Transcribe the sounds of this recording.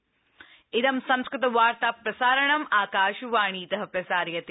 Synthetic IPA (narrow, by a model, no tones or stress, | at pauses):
id̪ɐmsɐmskɾɪt̪ɐʋaːɾt̪aːpɾɐsaːɾɐɳɐmaːkaːʃuʋaːɳiːt̪ɐɦɐ̆pɾɐsaːɾjɐt̪